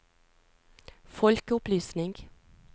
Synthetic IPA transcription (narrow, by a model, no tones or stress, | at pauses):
fɔlkəʊplyːsnɪŋɡ